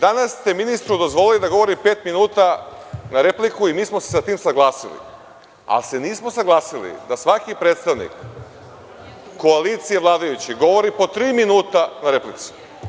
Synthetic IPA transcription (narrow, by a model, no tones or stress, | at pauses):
d̪anast̪eminist̪ɾud̪o̞zʋo̞lild̪aɡo̞ʋo̞ɾipe̞ːt̪minuːt̪anaɾe̞plikuimiːsmose̥sat̪iːmsaɡlˠaːsilḭ | a̰lse̞niːsmo̞saɡlˠaːsilḭd̪asʋakipɾet̪st̪aʋnḭk | o̞alit̪sije̞ʋlˠaːd̪ajut͡ɕiɡo̞ʋo̞ɾipo̞t̪ɾiːminuːt̪anaɾe̞plit̪si̥